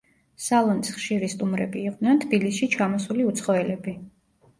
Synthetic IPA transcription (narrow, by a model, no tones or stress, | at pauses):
salˠɔnisχʃiɾist̪ʼumɾɛ̰biːqʼd̪nɛnt̪ʰb̥ilisʃit͡ʃʰamɔsuliut̪sʰχɔɛlɛbi